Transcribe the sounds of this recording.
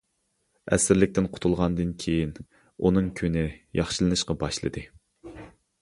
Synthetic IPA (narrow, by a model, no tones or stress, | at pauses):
ɛ̰sɪɾlɪk̚ʲt̪ɪnqʰʊ̥t̪ʰulˠʁɑnd̪ɨnkʲʰejin | unɨŋkʲʰynɪjɑχʃɨlˠɨnɨʃqɑbɑʃlˠɨ̰d̪ɨ